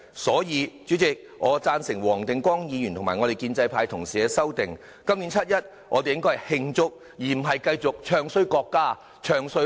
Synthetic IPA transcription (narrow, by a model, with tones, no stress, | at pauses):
sɔː˨˥jiː˨˧t͡ʃy˨˥t͡sɪ˨k̚ | ŋɔː˨˧t͡saː˧nsɪ˨˩ŋwɔː˨˩ŋt̪ɪ˨ŋkwɔː˥ŋjiː˨˧jy˨˩nt̪ʰʊ˨˩ŋmaː˨˩ŋɔ˨˧e˨jkiː˧nt͡sɐ˧jpʰaː˧˥jt̪ʰʊ˨˩ŋsiː˨ɛ˧sɐ˥wt̪ɪ˨ŋ | kɐ˥mni˨˧˥nt͡sʰɐ˥t̚jɐ˥t̚ | ŋʔɔː˨˧t̪e˨jɪ˥ŋkɔː˥hɐ˨jhɪ˧ŋt͡sʊ˥k̚ | jiː˨m̩˨˩ɦɐ˨jkɐ˧jt͡sʊ˨k̚t͡ʃʰœː˧ŋsɵ˥ɥkɔː˧kːaː˥ | t͡ʃʰœː˧ŋsɵ˧˥